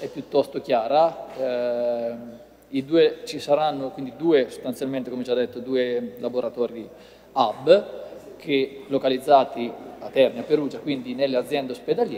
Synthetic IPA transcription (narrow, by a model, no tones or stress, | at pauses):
ɛpːjut̪ːɔst̪ok̟jaːɾa | id̪uːet͡ʃisaɾanːokwind̪id̪uːeso̥st̪ansjalment̪ekomed͡ʒad̪ːet̪ːod̪uːelaboɾat̪ɔːɾi | abːkʰelokalid̪zːaːt̪iat̪ːɛɾmiapːeɾuːd͡ʒakwind̪inelːead̪zjɛnd̪eosped̪aljɛ